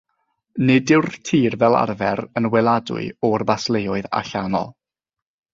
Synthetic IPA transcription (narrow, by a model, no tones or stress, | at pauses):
nɪdɪwrtʰiːrvɛlˠa̰rvɛɾənwɛlˠadʊ̰ɨɔrbaslˠejɔɨða̰ɬanɔ̰lˠ